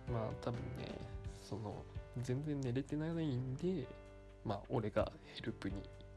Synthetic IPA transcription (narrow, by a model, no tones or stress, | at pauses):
maːt̪ʰabɯ̟̰̃nːe̞̰so̞no̞̰zẽ̞nd͡zẽ̞nːe̞ɾe̞t̪e̞nanaĩnd̪e̞ | maːʔo̞ɾe̞ɡa̰heɾɯ̟pɯ̟ɲ̟ḭ